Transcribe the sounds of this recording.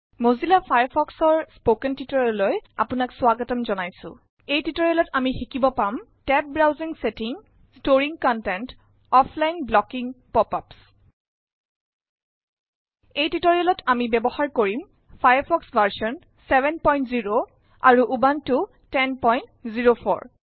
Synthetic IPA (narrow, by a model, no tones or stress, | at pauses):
mozilapʰajaɹpʰɔksɔɹspokɛntitoɹilojapʊnakswaɡɔtɔmzɔnajsʊ̰̃ | ejtitoɹialɔtamixikibɔpamtɛp̚bɹawziŋsetiŋ | stoɹiŋkɔntɛnt | ɔfʰlajnblɔkiŋpɔpaps | ejtitoɹialɔtʰamibɛbɔxaɹkoɹim | pʰajapʰɔksbʱaɹsɔn | sɛbɛnpɔjntziɹo | a̰ɹuʔubantʊ | tɛnpɔjntziɹopʰɔ̰ɹ